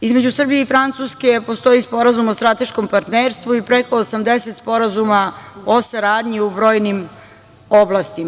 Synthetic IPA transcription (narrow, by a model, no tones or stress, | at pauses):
izme̞d͡ʑusr̩bije̞ifɾant̪suːske̞po̞st̪o̞ispo̞ɾazumost̪ɾat̪e̞ʃko̞mpaɾt̪neːɾst̪ʋuipɾeko̞ːsamd̪ese̞t̪spo̞ɾazumao̞saɾaːd̪ɲiubɾo̞ːjnim | oblast̪i